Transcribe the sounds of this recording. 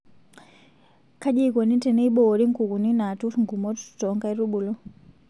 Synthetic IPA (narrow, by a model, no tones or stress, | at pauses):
kaʄikɔnintɛnɛiɓɔɾiŋkukuninatuŋɡumɔtu̥tu̥tɔŋɡaiɾuɓulɔ